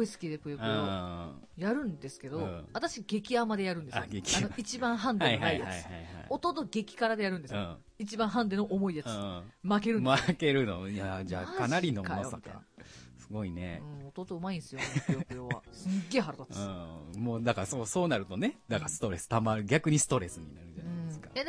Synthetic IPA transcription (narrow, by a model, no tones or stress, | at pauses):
ɡoisɨ̥kʲid̪epɯ̟joɯjoːo | jaɾɯ̟̃nd̪e̞sɨ̥ke̞d̪o̞at̪aɕiɡe̞kʲiamad̪e̞jaɾɯ̟̃nd̪esaɡekʲianoit͡ɕibãɰ̃ɦãndeaihnaijaat͡siɨhaiha̰o̞t̪o̞t̪o̞ɡe̞kʲi̥kaɾad̪e̞jaɾɯ̃nd̪esɨɯõ | it͡ɕibãɰ̃ɦãnd̪enoʔomo̞ijat͡sɨmake̞ɾɯ̟make̞ɾɯ̟nojad͡ʑa̰ːkanaɾʲinokamoosait̪a̰sɨɡo̞inḛɯ̃o̞t̪o̞ːt̪oɯ̟maĩnsɨjojokjoβa̰sɨɡe̞ːɦaɾat̪at̪ɯ̃ːmoːd̪akasoso̞ːnaɾɯ̟t̪o̞ned̪akasɨ̥t̪o̞ɾe̞sɨ̥t̪amaɾɯ̟ɡʲakɯ̟ɲ̟isɨ̥t̪o̞ɾe̞sɨɲ̟inaɾɯ̟d͡ʒaaɯj̃d̪eskḁed̪e